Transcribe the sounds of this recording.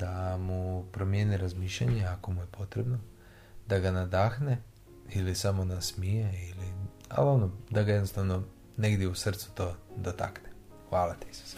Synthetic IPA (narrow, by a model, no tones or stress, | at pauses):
d̪̥amupɾo̞mje̞niɾazmiːʃʎaɲeako̞muje̞pʰo̞t̪ɾebno̞ | d̪aɡanad̪axne̞ | ilisamo̞nasmijeili | a̰lonod̪aɡaje̞d̪no̞st̪aʋno̞ | ne̞ɡd̪jeusr̩t̪su̥t̪o̞d̪ot̪a̰kne | xʋaːlat̪i̥isu̥s